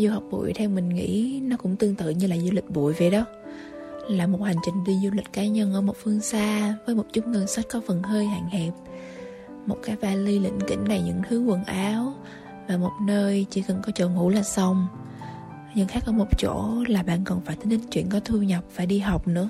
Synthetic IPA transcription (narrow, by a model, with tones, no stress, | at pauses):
zu˧ha˨˩wk͡p̚ɓṵ˧˩˨əjt̪ʰɛ˧wmï˨˩ŋ̟ŋḭ˧˥nɔ˨˦˥kʊ̰˧˥ŋ͡mt̪ɨ˧əŋt̪ɨ̰˧˨ɲɨ˧laː˨˩zu˧lï˨˩k̟̚ɓṵ˧˨əjve˨˩jɗə˨˦w | laː˨˩mo˨˩t̚ha˨˩jŋ̟t͡ɕï˨˩ŋ̟ɗi˧zu˧lï˨˩k̟̚kaː˨˦ɲə˧nʔəː˧˩mo˨˩t̚fɨ˧əŋsaː˧vəː˨˦jmo˨˩t̚t͡ɕʊ˦˥k͡p̚ŋəː˧nsə˦˥t̚kɔ˨˦fə˨˩nɦəː˧jha̰˧˨ŋ̟hɛ˨˩p̚ | mo˨˩t̚kaː˨˦jvaː˧li˧lḭ˧˥˨ŋ̟kḭ˧˥ŋ̟na˨˩jɲɨ̰˧˥ŋt̪ʰɨ˨˦wə˨˩nʔaː˨˦w | vaː˨˩mo˨˩t̚nəː˧jt͡ɕḭ˧˥kə˨˩nkɔ˨˦t͡ɕəː˧˨˩ŋṵ˧˥laː˨˩sa˧wŋ͡m | ɲɨ˧ŋxaː˦˥k̚ʔɔː˧˩˦mo˨˩t͡ɕo̰˧˥laː˨˩ɓa̰ː˧˨nkɔ˨˩nfaː˧˩jt̪ʰə˨˦lï˧˩ŋt͡ɕwḭ˧˨ənkɔ˨˦t̪ʰu˧ɲə˨˩wk͡p̚faː˧˩jɗi˧ɦa˨˩wk͡p̚nɨ̰˧˥ə